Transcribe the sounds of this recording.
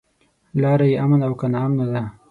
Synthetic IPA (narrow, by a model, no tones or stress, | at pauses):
lɑɾajeʔamanawkanɑːmnad̪a